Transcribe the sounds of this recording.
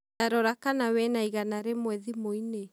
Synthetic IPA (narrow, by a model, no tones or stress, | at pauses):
aɾɔɾakanawɛnaiɣanaɾemwɛðimoine